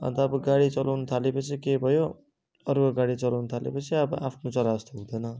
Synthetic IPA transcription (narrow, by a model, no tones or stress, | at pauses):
ʌ̰nt̪ʌːbʌɡaɽit͡sʌlʔawnʌt̪ʰalepʌt͡sʰikebʱʌjo | ʌrkoɡaɽit͡sʌlawnut̪ʰalḛpʌt͡sʰiʌbʌʔapʰnot͡sʌɾast̪oɦũd̪ʌnʌ